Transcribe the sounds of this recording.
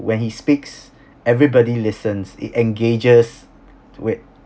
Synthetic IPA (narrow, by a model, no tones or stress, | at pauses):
wɛ̃nhispiks | ɛvɹibɔdilɪsə̃nsɪ̰tɛ̃nɡed͡ʒəs | wɪ